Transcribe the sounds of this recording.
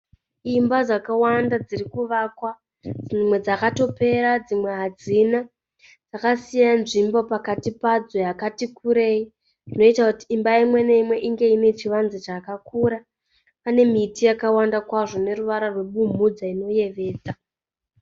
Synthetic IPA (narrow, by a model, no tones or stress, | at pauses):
imbad͡zakawandad͡ziɾikuʋaːkwa | d͡zimwe̞d͡zakato̞pe̞ɾad͡zimwe̞ɦad͡zina | d͡zakasijanʐimbo̞pakatipad͡zo̞jakatikʰuɾe̞i | ndino̞itakutiːmbaimwe̞ne̞imwe̞ʔiŋɡe̞ine̞t͡ʃiʋanzit͡ʃakakuɾa | ane̞mitijakawandakwaʐo̞ne̞ruʋaɾarwe̞ɓum̤ud͡zaino̞je̞ʋe̞ːd͡za